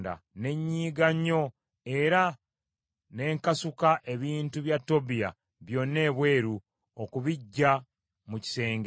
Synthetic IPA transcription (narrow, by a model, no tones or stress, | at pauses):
da̰ne̞ɲːiːɡaɲːo̞ | e̞ɾa | ne̞ːŋkasukaʔe̞βiːntuβjatːo̞bija̰ | βjo̞nːe̞ːβwe̞ːɾu | okuβiɟːa | muci̥se̞ːŋɡ